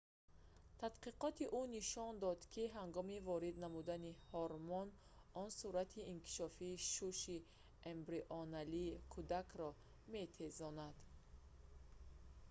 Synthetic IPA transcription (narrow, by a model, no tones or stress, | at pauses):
t̪ʰat̪qiqɔt̪ʰiʔuniʃɔnd̪ɔd̪kʰiɦaŋɡɔmivɔɾid̪namud̪anihɔɾmɔn | ɔnsuɾat̪ʰiːnkʰi̥ʃɔfiːʃuʃi | embɾiʔɔnaliːkʰud̪akʰɾɔ | me̞t̪ʰe̞zɔnad̪̥